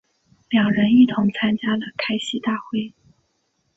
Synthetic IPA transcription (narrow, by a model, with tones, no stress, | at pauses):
ljɑ˨˩ŋɻə˧˥ni˥˩t̪ʰʊ˧˥ŋt͡sʰa˥nt͡ɕja˥lə˨kʰa˥ɪɕi˥t̪a˥˧xwe˥˩ɪ